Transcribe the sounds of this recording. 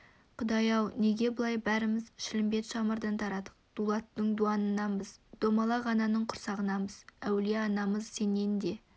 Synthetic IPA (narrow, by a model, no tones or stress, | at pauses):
qʰʊd̪ɑjɑwneɡʲe̞bəlˠɑjbæɾɪmɪzʃɪlɪmbe̞t̪ʃɑməɾd̪ɑnt̪ʰɑɾɑd̪əq̚d̪̥ulˠɑt̪ːəɴd̪uɑnənːɑnbəzd̪̥o̞mɑlˠɑʁɑnɑnəɴqʰʊɾsɑʁənɑməz̥æwleɑnɑməzse̞ne̞nd̪e̞